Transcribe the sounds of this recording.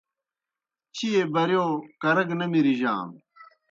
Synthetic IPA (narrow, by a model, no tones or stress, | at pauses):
t͡ɕʰijebɐɾjoːkɐɾɐɡnɐmiɾiʑa̰ːm